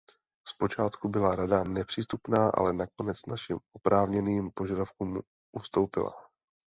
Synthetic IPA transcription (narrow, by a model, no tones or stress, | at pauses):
spo̞t͡ʃaːt̪kubɪlaɾadamnɛpr̥iːst̪upnaːʔa̰lɛnako̞nɛt͡snaʃimopɾʔaːvɲɛniːmpo̞ʒadafkuːm | ʔust̪o̞wpɪ̰la̰